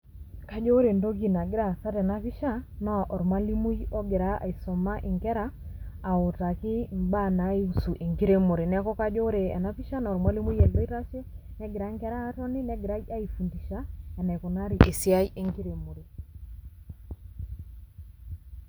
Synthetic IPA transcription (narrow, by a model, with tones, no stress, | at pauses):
ka˦d͡ʒo˦ɾe˨ndo˦k̬i˨na˨ɡɪ˦ɾa˨sa˦tɛ˨na˦fi˦ʃa˦nɔ˦a˨ʔɔ˨ɾmwa˦li˦mu˦jɔ˦ɡɪ˨ɾa˦ʔa̰˨i˨sɔ˨ma˦ʔɪ˨ŋkɛ˦ɾaː˦˨ | ʊ˨ta˨kɪ˦mba˦˨na˨˦e˦u˦su˨ʔe˨ŋɡi˦ɾe˦mo˨ɾe˨nɛ˦kɔ˦ka˦d͡ʒo˦ɾe˨ɛ̰˨na˦fi˦ʃa˦nɔ˨ɾmwa˦li˦mu˦jɛ˨ldɔ˦i˦ɾa˦ʃe˦ | nɛ˦ɡɪ˨ɾa˨˦ŋkɛ˦ɾaː˦tɔ˦ni˦nɛ˦ɡɪ˨ɾa˦ja˦i˨fu˨ndi˨ʃa˦ɛ˨nɛ˨kɔ˨na˦ɾi˨ʔe˨si˦a˦jʔe˨ŋki˦ɾe˨mo˨ɾe˨